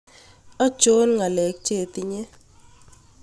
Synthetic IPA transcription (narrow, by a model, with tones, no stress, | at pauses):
ḁ˦d͡ʒ̥o˦nŋa˨lɛ˨˦k̚t͡ʃʼe˦˨t̪ʼi˦ɲɛ˦